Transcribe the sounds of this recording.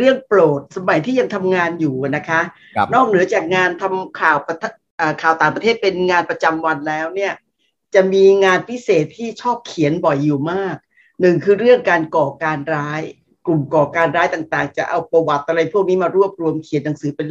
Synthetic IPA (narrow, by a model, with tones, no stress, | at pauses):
ɾɯ˥˩əŋpɾoː˨˩t̪̚sa˧ma˨˩˦jt̪ʰiː˥˩ja˧ŋt̪ʰa˧mŋaː˧njuː˨˩na˦˥kʰa˦˥ | nɔː˥˩k̚nɯ˩˦ɐt͡ɕaː˨˩k̚ŋaː˧nt̪ʰa˧mkʰaː˨˩wpa˧t̪ʰ | ʔəː˨˩kʰaː˨˩wt̪aː˨˩ŋpɾʰeː˥˩t̪̚pe˧nŋaː˧npɾa˧t͡ɕa˧mwa˧nlɛː˦˥wni˥˩ɐ | t͡ɕa˨˩miː˧ŋaː˧npʰi˦˥seː˨˩t̪ʰːiː˥˩t͡ɕʰɔː˥˩p̚kʰi˨˩˦ənbɔ˨˩jːuː˨˩maː˥˩k̚ | nɯ˨˩ŋkʰɯː˧ɾɯ˥˩əŋkaː˧nkɔː˨˩kaː˧nɾaː˦˥j | klu˨˩mkɔː˨˩kaː˧nɾaː˦˥jt̪aː˨˩ŋt̪aː˨˩ŋt͡ɕa˨˩ʔa˧wpa˧wa˨˩t̪̚ʔa˧ɾa˧jpʰu˥˩ək̚niː˦˥maː˧ɾu˥˩əp̚ɾu˧əmkʰi˨˩˦nːa˩˦ŋsɯː˩˦pe˧n